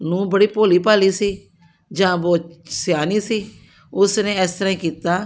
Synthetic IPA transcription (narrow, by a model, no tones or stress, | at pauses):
nũːbəɽiːpoːliːpaːliːsiː | d͡ʒãːboːsjaːniːsiː | ʊsnẽːɛːst̪əɾãːĩːkiːt̪aː